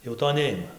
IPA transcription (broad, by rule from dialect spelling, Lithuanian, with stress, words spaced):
jɛʊ ˈtoː ˈnʲɛɪmɐ